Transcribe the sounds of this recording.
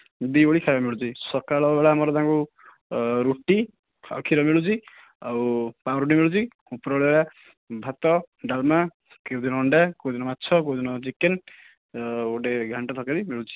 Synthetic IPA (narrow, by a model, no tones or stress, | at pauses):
b̪ioɭikʰaɾɔmiɭut͡ʃʰisɔkaɭɔbeɭaːmɔɾɔt̪ãŋku | ɾuʈi | a̰kʰiɾɔmeɭut͡ʃʰi | awpaɾuʈ̬imiɭut͡ʃʰi | upɔɾɔɭbeɭa | bʱat̪ɔɖalma | kewd̪inɔːɳɖakewd̪inɔmatːt͡ʃʰɔkewd̪inɔt͡ʃiken | oʈeɡʱaɳʈat̪ʰɔkaɾimeɭut͡ʃʰi̥